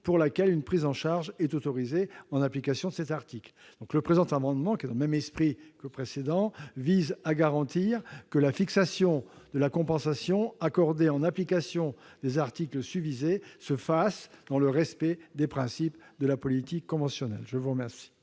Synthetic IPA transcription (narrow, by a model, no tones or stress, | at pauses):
puʁlakɛlynpχizɑ̃ʃaʁʒɛt̪ot̪ɔʁizeɑ̃naplikasjɔ̃d̪əsɛt̪aʁt̪ikl | d̪̥ɔ̃kləpχezɑ̃t̪amɑ̃d̪mɑ̃kʲiɛd̪ɑ̃ləmɛmɛspχikəpχesed̪ɑ̃vizaɡaʁɑ̃t̪iʁkəlafiksasjɔ̃d̪̥əlakɔ̃pɑ̃sasjɔ̃akɔʁd̪eɑ̃naplikasjɔ̃d̪ezaʁt̪ikləsyvizesəfasd̪ɑ̃ləʁɛspɛd̪epχɛ̃sipd̪əlapɔlit̪ikːɔ̃vɑ̃sjɔnɛ̰lʒəvuʁəmɛʁsi̥